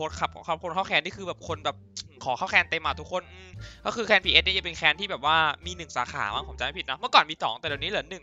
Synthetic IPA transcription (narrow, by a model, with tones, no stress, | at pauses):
oː˦˥t̪̚kʰa˦˥p̚kːʰkʰo˧nkʰa˥˩kʰɛː˧niː˥˩kʰɯː˧bɛː˨˩p̚kʰo˧nbɛː˨˩p̚ːkʰɔː˩˦xʰa˥˩wkʰɛː˧nt̪e˧mːaː˧t̪ʰu˦˥kʰːo˧˩nʔɯː˧˩kɔ˥˩kʰɯː˧kʰɛː˧npʰiː˧ʔe˦˥n˦˥˧ja˧pe˧nkʰɛː˧nt̪iː˥bɛː˨˩p̚waː˥˩miː˧nɯ˨˩ŋsa̰ː˩˦xa̰ː˩˦maː˦˥˩pʰo˩˦t͡ɕa˨ma˥˩pʰi˨˩t̪̚nɔ˦˥mɯ˥˩əkɔː˨˩nmiː˧t̪ʰɔː˩˦ŋt̪ɛ˨˩dniː˦˥lɯː˨˩˦nːɯ˨˩ŋ